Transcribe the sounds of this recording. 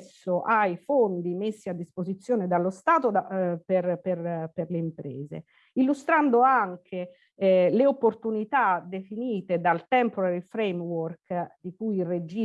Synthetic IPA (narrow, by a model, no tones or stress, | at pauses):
sːoʔajfond̪imesːiad̪ːispozit̪sːjoːned̪alːost̪aːt̪od̪aperperperleimpɾɛːzḛ | ilːust̪ɾand̪oaŋkʰe | leopːort̪unit̪ad̪efiniːt̪ed̪alt̪ɛmpoaɾifɾejmworkd̪ikujired͡ʒi